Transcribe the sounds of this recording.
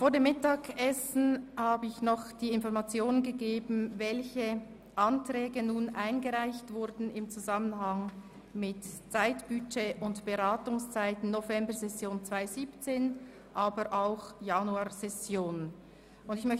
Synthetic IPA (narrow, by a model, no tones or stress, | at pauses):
foːɾdeːmɪtaːkɛsn̩haːbəɪçnɔχd̥iːɪnfɔʁmat͡sjoːnənɡəɡeːbn̩vɛlçə | ʔantʁ̥ɛːɡənuːnʔaɪnɡəʁaɪçtv̥ʊɾdn̩ɪmt͡suzamənɦɑŋ | mɪtt͡saɪtb̥yt͡ʃeʔʊntb̥əʁaːtʊŋst͡saɪtn̩nːovɛmbəzɛsjoːnt͡sv̥aɪziːpt͡seːn | ʔaːbəʔaʊxjanuaːzɛsjoːn | ʊndɪçmœç